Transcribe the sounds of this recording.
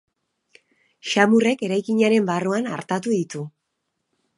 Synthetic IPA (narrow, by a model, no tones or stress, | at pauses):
ʃamure̞ke̞ɾajkiɲaɾe̞mbaruana̰ɾt̪at̪uðit̪u